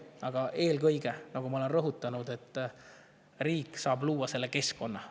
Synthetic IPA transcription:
ɑɡ̥ɑʔe̞ːlkɤjɡ̥e̞nɑɡ̥umɑole̞nrɤɦut̪ːˑɑnud̪e̞t̪ːˑ | riːkːˑsɑːbluːwːɑse̞lːe̞ke̞sko̞nːɑ

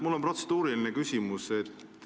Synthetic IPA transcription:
mulːo̞mpro̞t̪se̞d̪̥uːɾilinekysimuse̞t̪

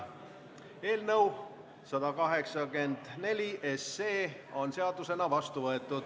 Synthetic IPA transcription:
e̞ːlnəw | sɑd̪ɑkɑɦe̞ksɑɡe̞nd̪̥ne̞lʲiʔe̞sːe̞ːo̞nse̞ɑd̪use̞nɑvɑst̪uvɤe̞t̪ːˑud̪̥

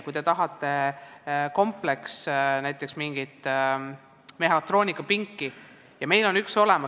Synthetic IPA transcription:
kujt̪e̞t̪ɑɦɑt̪ːˑe̞ | ko̞mple̞ksnæjt̪ːˑe̞ksmiŋɡ̥it̪ | me̞ɦɑt̪ˑro̞ːnʲikːˑɑpiŋkːi | jɑme̞jlo̞nykso̞le̞mɑ

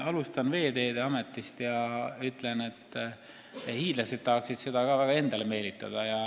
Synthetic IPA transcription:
ɑlust̪ɑnve̞ːd̪e̞ːd̪eɑme̞t̪ːˑist̪jɑyt̪ːˑle̞ne̞t̪ː | hiːd̪̥lɑsed̪̥̚t̪ːɑhksid̪̥se̞d̪̥ɑɡ̥ɑːvæɡ̥ɑe̞nd̪̥ɑleme̞ːlit̪ːˑɑ̰d̪̥ɑjɑ

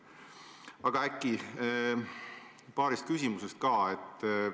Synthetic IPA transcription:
ɑɡ̥ɑækːˑi | pɑːɾist̪̚kysʲimuse̞st̪̚kɑːe̞t̪ː

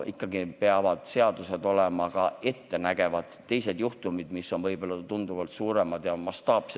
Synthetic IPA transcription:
ʔikˑːɑɡipe̞ɑvɑd̪̥se̞ɑd̪̥use̞d̪o̞lemɑkɑe̞t̪ːe̞næɡ̥e̞vɑd̪̥ːe̞jse̞d̪̥juht̪umid̪̥misːo̞nvɤjbo̞lːɑt̪und̪uvɑlt̪suːɾe̞mɑd̪̥jɑmɑst̪ɑːps

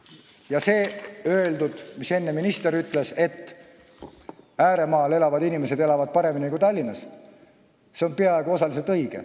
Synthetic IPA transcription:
jɑse̞ːø̞eld̪ud̪̥mise̞nːe̞minist̪e̞ɾyt̪ːˑle̞se̞t̪ː | æːɾe̞mɑːle̞lɑvɑd̪inimese̞d̪e̞lɑvɑd̪̥̚pɑɾe̞minikut̪ɑlʲːinːɑs | se̞o̞npeɑe̞ɡuo̞sɑlis̬elt̪ɤjɡ̥ḛ

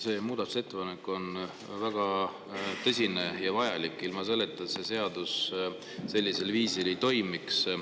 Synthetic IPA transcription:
se̞muːd̪ɑt̪use̞t̪ːe̞pɑne̞kːo̞n | væɡ̥ɑ | t̪ɤ̞sʲine̞jɑvɑjɑlikːˑilmɑs̬ɤle̞t̪ːˑɑse̞se̞ɑd̪̥us | se̞lʲːise̞lviːsilejt̪o̞jmiks

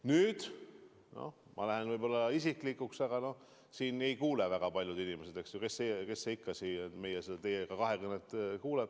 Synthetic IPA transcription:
nyːd̪̥ | no̰mʔɑ̰læɦenvɯjbo̞lːɑisikˑlikːuksɑɡ̥ɑno̞ | siːne̞jkuːlevæɡ̥ɑpɑlʲjud̪inimese̞d̪e̞ksjokeseke̞sːeikːɑsime̞jesed̪̥ɑt̪ejekɑkɑɦe̞kɯnːet̪ːˑkuːleb̥

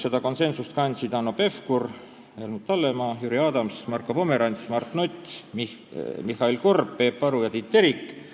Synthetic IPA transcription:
se̞d̪ɑko̞nse̞nsust̪̚kɑnʲsit̪ɑnope̞fkur | elmut̪ːɑlːemɑjuɾiɑːd̪ɑmsmɑrkopo̞me̞ɾɑnʲsmɑrt̪nut̪ʲː | mihɑilko̞rpːˑe̞pːɑɾujɑt̪it̪ːeɾikːˑ

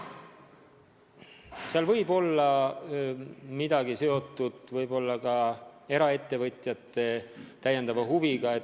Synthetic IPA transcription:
seɑlvɤ̞jbo̞lːɑ | mid̪̥ɑɡise̞o̞t̪ːˑud̪̥vɤjbo̞lːɑkɑe̞ɾɑe̞t̪ːe̞vɤt̪ˑjɑt̪ˑːe̞t̪æjːe̞nd̪ɑvɑhuviɡ̥ɑe

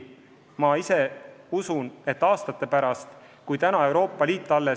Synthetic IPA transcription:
mɑise̞usune̞t̪ːɑːst̪ɑt̪ːˑe̞pæɾɑst̪ | kujt̪ænɑe̞wɾo̞ːpˑːɑliːt̪ˑːɑlːe̞

